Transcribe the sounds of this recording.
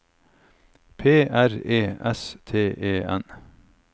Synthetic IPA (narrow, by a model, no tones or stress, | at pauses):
pʰeːʔæɾeːɛst̪ʰeːʔeːɛ̰n